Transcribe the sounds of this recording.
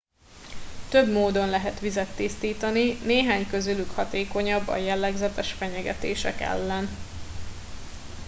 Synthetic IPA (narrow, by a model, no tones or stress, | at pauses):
t̪ø̞bmoːd̪o̞nlɛɦɛt̪ʋizɛt̪ːist̪iːt̪ɒnineːɦaːɲkø̞zylykhɒt̪eːko̞ɲɒbːɒ̰jɛlːɛɡzɛt̪ɛʃfɛɲɛɡɛt̪eːʃɛ̰kɛ̰lːɛn